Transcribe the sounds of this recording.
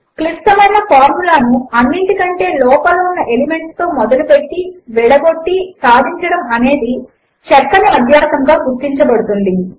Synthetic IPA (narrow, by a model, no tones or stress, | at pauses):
klisʈɐmɐjnɐpaːɾmulaːnuɐnːiɳʈikɐɳʈe̞ːlɔːpɐloːunːɐʔelime̞ɳʈst̪o̞ːmɔd̪ɐlupe̞ʈːiʋɛɽɐɡo̞ʈːisaːd̪ʱiɲt͡ʃɐɽɐmɐne̞ːd̪i | t͡ʃɛɾkːɐniɐd̪ʱjaːsɐŋɡaːɡuɾt̪ːiɲt͡ʃɐbɐɽut̪und̪i